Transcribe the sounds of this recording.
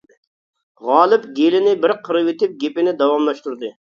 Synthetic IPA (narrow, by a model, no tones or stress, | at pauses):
ʁɑːlˠɨp̚ɡʲelɪnɪbɪɾqʰəɾɨwet̪ɪp̚ɡʲepɪnɪd̪ɑwɑmlˠɑʃt̪uɾd̪ɨ